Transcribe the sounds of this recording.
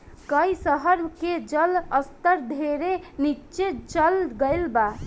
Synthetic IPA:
kəjsəɦəɾked͡ʒələst̪əɾd̪ʱeɾenit͡ʃet͡ʃəlɡəjlba

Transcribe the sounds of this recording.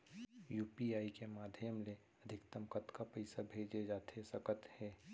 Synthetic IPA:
juːpiaːikemaːd̪ʱjəmle | əd̪ʱɪkt̪əmkət̪kapəɪsabʱeːd͡ʒed͡ʒaːt̪ʰesəkət̪hɛː

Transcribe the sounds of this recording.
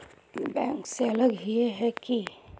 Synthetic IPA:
bɛ̃ːŋkseɐləɡɦieɦɛki

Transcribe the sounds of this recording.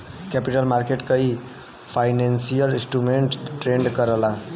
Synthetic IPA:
kɛpiʈəlmaɾkeʈkəi | pʰajnansijəlĩsʈɾumeɳʈʈɾeɳɖkəɾəla

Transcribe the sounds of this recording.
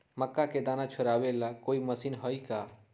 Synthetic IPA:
məkːaked̪aːnat͡ʃʰoɾabelakoiməsiːnɦɔika

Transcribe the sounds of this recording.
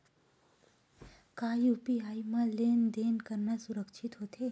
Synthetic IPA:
kaːjuːpiaːimãleːnd̪eːnkəɾnasʊɾəkʃʰɪt̪ɦoːt̪eː

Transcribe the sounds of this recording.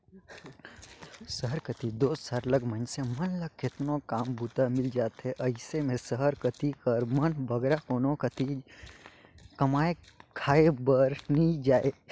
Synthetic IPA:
səɦəɾkət̪id̪oːsaɾləɡmə̃nsemənləɡ̚kɪt̪nokaːmbʱuːt̪amɪld͡ʒaːt̪ɦɛʔɐɪsemẽsəɦəɾkət̪ikəɾmənbʱəɡɾakoːnokət̪id͡ʒ | kɐmaːe | kʰaːebəɾnid͡ʒaːe

